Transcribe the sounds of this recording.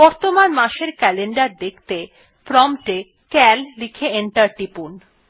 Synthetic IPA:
bɔɾt̪omanmaʃeɾkɛleɳɖaɾd̪ekʰt̪e | pɾɔmʈe | kɛllikʰeeɳʈaɾʈipun

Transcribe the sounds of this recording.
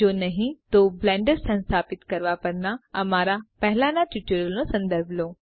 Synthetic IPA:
oːnɐɦĩt̪oːblɛ̃ːɳɖəɾsɐ̃nst̪ʰaːpɪt̪kɐɾʋapɐɾnaɐmaːɾapɛɦɪlanãʈuʈəɾəlnosɐ̃nd̪əɾbʱloː

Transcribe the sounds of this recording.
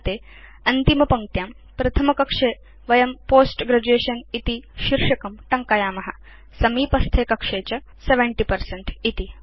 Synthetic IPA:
t̪eː | ɐnt̪imɐpɐŋt̪jaːm | pɾɐt̪ʰɐmɐkɐkʂeː | ʋɐjɐmpoːsʈɡɾɐd͡ʑueːʃɐnit̪iʃiɾʂɐkɐmʈɐŋkaːjaːmɐɦɐ | sɐmiːpɐst̪ʰeːkɐkʂeːt͡ʃɐ | seʋeɳʈipɐɾseɳʈit̪i

